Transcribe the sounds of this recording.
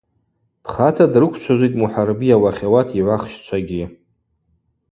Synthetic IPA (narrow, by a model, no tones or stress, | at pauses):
pʰχatʰadrɨkʷʰt͡ʃʷʰaʒʷijtʼmuħarbijawaχʲawatʰiʕʷaχʃt͡ʃʷʰaɡʲi